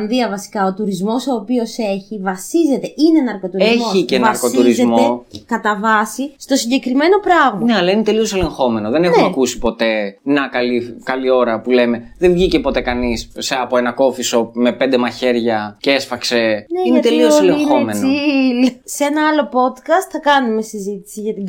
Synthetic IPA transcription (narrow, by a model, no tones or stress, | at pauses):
ɐnðiɐvɐsi̥kɐot̪uɾizmo̞so̞ːpio̞se̞çivɐsize̞t̪e̞ʔinenɐɾko̞t̪uɾezmçoicenɐɾkot̪uɾizemt̪oekɐt̪ɐvɐsist̪osiɲɟe̞kɾime̞no̞pɾɐɣmɐneɐlɐine̞t̪e̞lio̞se̞le̞ŋxo̞me̞no̞ðe̞nenxɐkusi̥po̞t̪e̞nɐkɐlikɐlio̞ɾɐpule̞me̞ðevʝice̞po̞t̪e̞kɐnisseɐpoenɐko̞fiso̞me̞pe̞nd̪e̞mɐçe̞ɾʝɐceesfɐkse̞neinet̪elioseleixomensoi | seenɐɐlo̞po̞t̪kɐst̪θɐkɐnume̞sizit̪i̥siʝɐt̪iɡ